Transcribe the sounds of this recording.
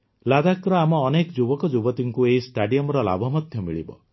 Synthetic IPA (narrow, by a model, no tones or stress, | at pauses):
lad̪akɾɔamɔːnekɔd͡ʒubɔkɔd͡ʒubɔt̪iŋkueisʈaɖijɔmɔɾɔla̰bʱɔmɔd̪ʱjɔmiɭḭbɔ̰